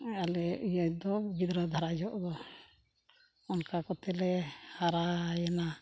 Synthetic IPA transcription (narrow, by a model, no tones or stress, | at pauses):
alɛijajd̪ɔɡid̪ɾəd̪ʱaɾad͡ʒɔʔd̪ɔ | ɔnkakɔt̪ɛlɛhaɾajɛna